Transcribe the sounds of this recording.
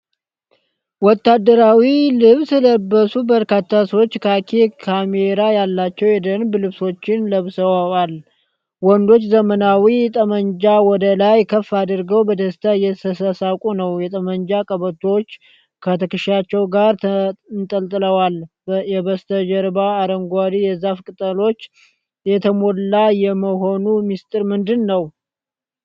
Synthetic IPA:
wɔt̪ːad̪ːəɾawilɨβsɨləbːəsubəɾkat̪ʰːasəwo̞t͡ʃːkʰakʰekʰameɾajalːat͡ʃːɛwjɛd̪ənblɨβso̞t͡ʃːɪnləβsəwaal | wɔnd̪o̞t͡ʃːzəmənawit̪ʼəməɲd͡ʒawɔd̪əlajkʰəfːad̪ɾɡəwbəd̪əst̪ʰajɛt̪ʰəsəsakʼunəwjɛt̪ʼəməɲd͡ʒakʼəβət̪ʰot͡ʃː | kʰət̪ʰəkɨʃat͡ʃːɛwɡaɾnt̪ʼəlt̪ʼɨləwal | jɛβəst̪ʰəd͡ʒɛɾbaːɾəŋɡʷad̪ijɛzafkʼɨt̪ʼəlo̞t͡ʃː | jɛt̪ʰəmo̞lːajɛməɦo̞numist̪ʼɨɾmɨnd̪ɨnːəw

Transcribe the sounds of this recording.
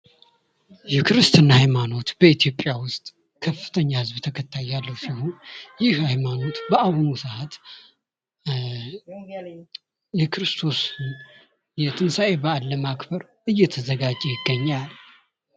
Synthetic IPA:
jɛkɨɾɨst̪ʰɨnːahajmano̞t̪b̥əit̪ʰijo̞pʼːjawʊst̪ʼ | kʰəfːɨ̥t̪ʰəɲːahɨzβt̪ʰəkʰət̪ʰːajːalːəwsihujɪhhajmano̞t̪bəaβnusəhat̪ | jɛkɾɨst̪ʰo̞sn | jɛt̪ʰɨnsae̞balːəmakbəɾ | ʔɨjːɛt̪ʰəzəɡad͡ʒʼejɪɡːəɲːal

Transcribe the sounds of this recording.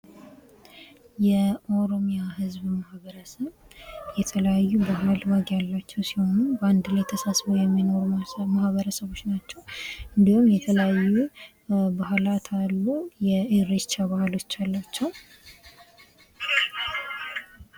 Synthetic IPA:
jɛʔo̞ɾo̞mijaɦɨzbmahβəɾəsəβ | jɛt̪ʰələjajːubaɦɨlwaɡjalːat͡ʃːɛwsiho̞nuband̪lajt̪ʰəsasβəwjɛmːino̞ɾumahβəɾəsəβo̞t͡ʃːnat͡ʃːɛwʔɨnd̪ihumjɛt̪ʰələjajːu | baɦlat̪ʰalːujɛeɾet͡ʃːaβahlo̞t͡ʃːalːat͡ʃːɛw

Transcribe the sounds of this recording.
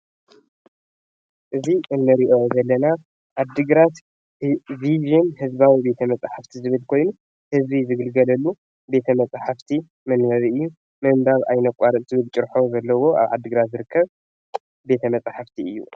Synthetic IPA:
ʔɨziʔɨnːɨɾiʔo̞zɐlːɐna | ʔad̪ɨɡɾat̪ | viʒɛnhɨzbawibe̞t̪ʰɐmɐt͡sʼaħaft̪ʰizɨβɨlkʰo̞jnu | hɨzbizɨɡɨlɡɐlɐlːu | be̞t̪ʰɐmɐt͡sʼaħaft̪ʰi | mɐnmɐβiɨjːu | mɐmbaβa̰jnɐkʷʼaɾɨʔ̪t̪ʰɨβɨlt͡ʃʼɨɾħozɐlːɐwo̞ʔa̰βʕa̰d̪ːɨɡɾat̪zɨɾɨkʰːɐβ | be̞t̪ʰɐmɐt͡sʼaħaft̪ʰiɨjːṵ

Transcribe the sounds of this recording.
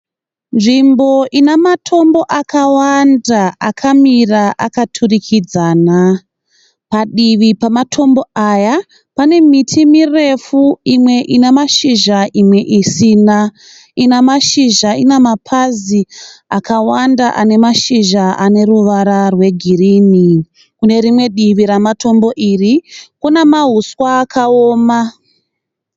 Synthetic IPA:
nʐimbo̞ʔinamatʰo̞mbo̞ʔakawandaakʰamiraʔakatʰurikʰid͡zaːna | paɗiʋipamatʰo̞mbo̞aja | pane̞mitʰimire̞fuimwe̞ʔinemaʃiʒaʔimwe̞ʔisina | inamaʃiʒainemapʰaziakawandaʔane̞maʃiʒaʔane̞ruʋaɾarwe̞ɡʱiriːni | kune̞ɾimwe̞ɗiʋiɾamato̞mbo̞ʔirikunamaɦuswaːkʰaoːma

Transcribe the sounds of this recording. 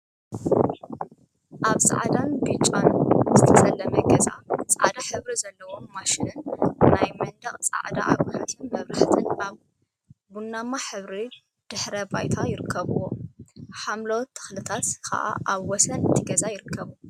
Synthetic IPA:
ʔaβsʼa̰ʕd̪anbit͡ʃʼːanzɨt̪ʰɐsʼɐlːɐmɐɡɐza̰t͡sʼaʕd̪aħɨβɾizɐlːɐwo̞mːaʃɪnɨnnajmɐnd̪ɐχʼt͡sʼa̰ʕd̪a̰ʔa̰wħat̪ʰinmɐβɾaħt̪ʰɨnʔaβ | bunːamːaħɨβɾi | d̪̥ɨħɾɐbajt̪ʰajɪɾɨkʰːɐβuwoħamlowt̪ʰːɨ̥xlɨt̪ʰat̪kʰɐ̰ʔa̰ʔaβwɔsɐnɨt̪ʰɨɡɐzajɪɾɨkʰːɐβu

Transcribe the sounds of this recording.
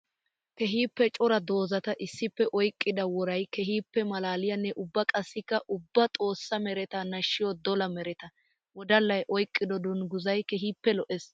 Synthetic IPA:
kɛɦiːpːɛt͡ʃʼɔɾɐd̪o̞ːzɐt̪ɐʔɪsːɪpːɛʔɔjkʼːɪd̪ɐwɔɾɐjkɛɦiːpːɛmɐlaːlɪjɐnːɛʔʊbːɐkʼɐsːɪkːɐʔʊbːɐt̪ʼo̞ːsːɐmɛɾɛt̪anɐʃːɪjɔd̪ɔlɐmɛɾɛt̪ɐ | wɔd̪ɐlːɐjʔɔjkʼːɪd̪ɔd̪ʊnɡʊzɐjkɛɦiːpːɛlɔʔɛs

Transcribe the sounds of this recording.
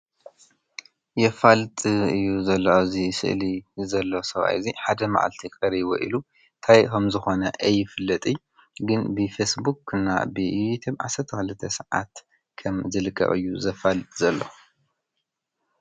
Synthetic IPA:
jɛfalt̪ʼɨjːuzɐlːɐzisɨ̰ʔlizɐlːosɐβa̰ʔziħad̪ɐma̰ʕa̰lt̪ʰikʼɐɾiwo̰ʔilu | t̪ʰajkomzɨxo̞nɐʔɐjːɪfɨlːɐt̪ʼi | ɡɨnbɨfesbukɨnːa̰bɨut̪ʰubʕa̰sɐɾt̪ʰɐxɨlɨt̪ʰːɐsɨʕa̰t̪ | kʰɐmzɨlɨkʰːɐ̰ʔʼɨ̰jːuzɐfalɨt̪ʼzɐlːo̰

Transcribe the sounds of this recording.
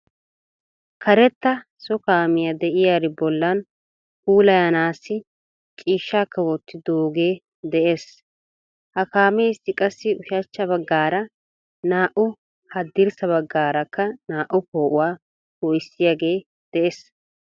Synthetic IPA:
kʰɐɾɛt̪ːɐ | sɔkaːmɪjɐd̪ɛʔɪjaːɾɪbɔlːɐn | huːlɐjanaːsːɪ | t͡ʃʼiːʃːaːkːɐwɔt̪ːɪd̪oːɡeː | d̪ɛʔe̞ːs | hɐkaːmɛɪsːɪkʼɐsːɪʊʃɐt͡ʃːɐbɐɡːaːɾɐ | naːʔʊ | hɐd̪ːɪɾsɐβɐɡːaːɾɐkːɐnaːʔʊpo̞ːʔʊwaː | hɔjsːɪjaɡe̞ː | d̪̥ɛʔeːs

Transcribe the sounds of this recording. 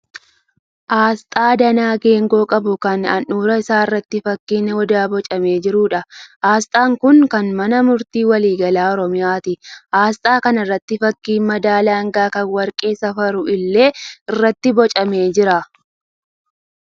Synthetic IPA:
ʔaːst̪ʼaːd̪ɐnaːɡe̞ːŋɡo̞ːkʼɐbʊkɐnɐnuːɾɐɪsaːɪrːɐt̪ːɪfɐkːiːnːɛwɔd̪aːbɔt͡ʃʼɐme̞ːd͡ʒɪɾuːᶑɐʔaːst̪ʼaːŋkʊŋkɐnmɐnɐmʊɾt̪iːwɐliːɡɐlaːɔɾɔmɪjaːt̪ɪʔaːst̪ʼaːkɐnɪrːɐt̪ːɪfɐkːiːnmɐd̪aːlaːŋɡaːkɐnwɐɾkʼe̞ːsɐfɐɾʊʔɪlːe̞ːɪrːɐt̪ːɪbɔt͡ʃʼɐme̞ːd͡ʒɪɾa

